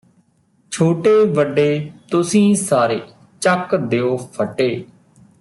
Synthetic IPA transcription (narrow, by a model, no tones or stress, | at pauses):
t͡ʃʰoːʈeːʋəɖːeːt̪ʊsĩːsaːɾeː | t͡ʃəkd̪eːoːpʰəʈːeː